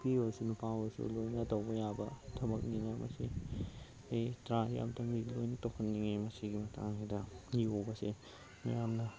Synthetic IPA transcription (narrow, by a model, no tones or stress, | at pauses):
pioɾsunupawɐsṵlojnɐtɐwbɐjabɐtʰɐbɐk̚niŋamʔɐ̰sḭ | ejtɾaja̰mdɐmilojnɐtokʰɐnːiŋemɐsiɡimɐtʰa̰ŋidɐjobɐse | mɐ̰jamnɐ